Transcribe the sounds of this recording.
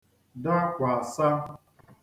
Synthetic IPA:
da˦kʷa˨a˨sa˦

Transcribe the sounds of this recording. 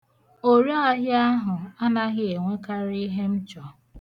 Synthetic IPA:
o˦ɾi˦a˦ɦa˦ɦʊ˨a˦na˦ɣɪ˦e˨ŋʷe˦ka˦ɾɪ˦ɦe˦m̩˦t͡ʃɔ˨

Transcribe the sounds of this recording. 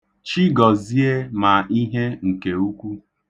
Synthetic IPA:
t͡ʃi˦ɡɔ˨zi˦e˦ma˨i˦ɦe˦ŋ̩˨ke˨u˦kʷu˦

